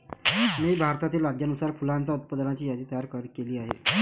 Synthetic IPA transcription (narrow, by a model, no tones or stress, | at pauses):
miːbʱaɾt̪at̪iːlad̪janusaɾfulant͡saut̪̚pəd̪lat͡ɕiːjad̪iːt̪əjaɾkəɾkeliːaɦḛ